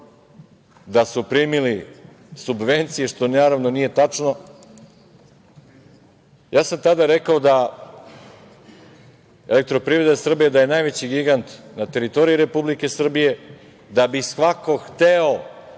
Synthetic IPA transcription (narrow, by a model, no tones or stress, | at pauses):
d̪asupɾimili | subʋe̞nt̪sije̞ʂt̪o̞naːɾaʋnonije̞t̪at͡ʂno̞ | jʔaːsamt̪ad̪aɾe̞kao̞d̪a | elek̚t̪ɾo̞pɾivɾe̞d̪asr̩bijed̪aje̞najʋe̞t͡ɕiɡiɡant̪nat̪e̞ɾit̪o̞ɾijuɾe̞publike̞sr̩bije̞ | d̪abisʋako̞xt̪eo